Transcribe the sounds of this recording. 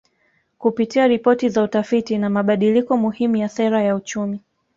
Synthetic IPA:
kupitiaɾipɔtizautafitinamaɓaɗilikɔmuhimujasɛɾajaut͡ʃumi

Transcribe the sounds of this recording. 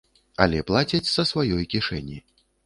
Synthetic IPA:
ɐ̰lʲɛplˠat͡sʲɐt͡sʲsɐsvajɔjkʲiʂɛ̰nʲi

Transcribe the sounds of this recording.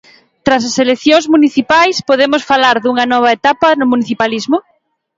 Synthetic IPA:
t̪ɾas̬aselekθjoŋzmuniθipajspoðemosfalaɾðuŋɐnɔβ̞ɐet̪apɐnʊmũniθipalizmʊ

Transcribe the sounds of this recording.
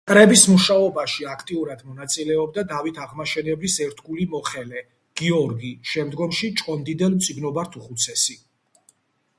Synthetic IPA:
kʼɾɛbismuʃaɔbaʃiakʰt̪ʼiuɾad̪mɔnat̪sʼilɛɔb̚d̪ad̪avit̪ʰaʁmaʃɛnɛblisɛɾt̪ʰɡulimɔχɛlɛ | ɡ̥iɔɾɡiʃɛmd̪ɡɔmʃit͡ʃʼkʼɔnd̪id̪ɛlmt̪sʼiɡnɔbaɾt̪ʰuχut̪sʰɛsi

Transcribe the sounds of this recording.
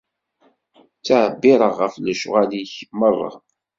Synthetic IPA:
t͡sːəʕəbːɪɾˤəʁːəfləʃʁæliçmərˤːɑ̰

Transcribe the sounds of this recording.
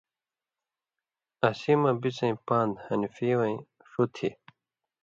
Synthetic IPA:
ɐsimɐbit͡sɐ̃ĩpaːnd̪hɐnifiwɐĩ | ʂut̪ʰi

